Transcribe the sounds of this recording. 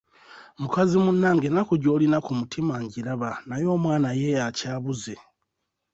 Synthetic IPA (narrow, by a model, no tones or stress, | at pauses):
mukazimunːaːŋɡenakuɟoːlinakumutʰimaɲɟiɾaβanajo̞ːmwaːnaje̞jacaːβuze